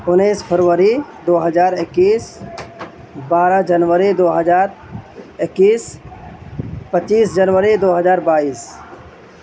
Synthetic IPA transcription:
ʊnespʰəɾʋəɾid̪oːɦəd͡ʒaːɾɪkːiːs | baːɾəd͡ʒənʋəɾid̪oːɦəd͡ʒaːɾ | ɪkːiːs | pət͡ʃːiːsd͡ʒənʋəɾid̪oːɦəd͡ʒaːɾbaːiːs

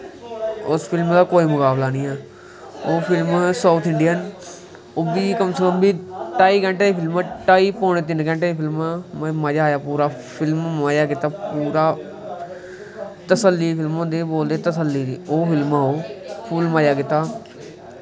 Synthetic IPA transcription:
ʊspʰɪlmd̪aːkoːiːmʊkaːblaːnĩːɛː | oːpʰɪlmsaːt̪ʰɪ̃ɳɖijən | ʊbiːkəmsəkəmbiːʈaːiːɡɛ̃ɳʈeːeːpʰɪlmːʈaːiːpoːɳ̃et̪̬ɪnɡɛ̃ːɳʈeːiːpʰɪlmmmad͡ʒaːjaːpuːɾaː | pʰɪlmaːjaːkɪt̪aːpuːɾaː | t̪əsəlːiːpʰɪlmɦõnd̪eːboːld̪eːt̪əsəlːiːd̪iːoːpʰɪlmaɦoːpʰuːlmaːjaːkɪt̪aː

